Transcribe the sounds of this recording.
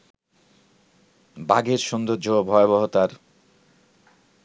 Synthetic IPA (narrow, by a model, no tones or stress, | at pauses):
baɡeɾʃond̪oɾd͡ʑobʱɔebɔɦot̪aɾ